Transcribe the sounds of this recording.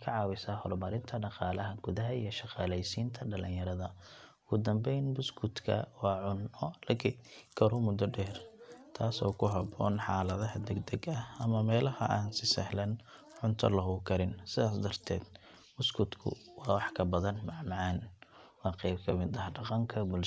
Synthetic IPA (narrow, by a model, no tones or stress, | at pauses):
kʰɐʕɑːwɪsaːhɔrmɐɾɪnt̪ʰɐɖɑqɑːlɐɦɐɡ̥ʊðɐɦɐijɞʃɑqɑːlɛjsiːnt̪ʰɐɖɐlɪjɐɾɐðɐʊɡʊd̪ɐmbɛjnbʊskʰʊt̪kʰɐ̰wɑːʕʊnɔlɐɡɛkʰɐɾʊmʊd̪ɔɖɛːrt̪ʰaːsɔ̰ːkʰʊɦɐbɔːnħɑːlɐðɐɦɐd̪ɛɡd̪ɐɡɐhɐmɐmɛːlɐhɐ̰ʔaːnsɪsɐhlɐn | ʕʊnt̪ʰɐ̰lɐɦuːkʰɐɾɪnsɪðaːsd̪ɐrt̪ʰɛːd̪ | bʊskʰʊd̪kʰʊ̰wɑːwɑħkʰɐbɐðɐnmɑʕmɑʕɑːnwɑːqɛjb̚kʰɐmɪd̪ɐhɖɑqɑŋkʰɐbʊl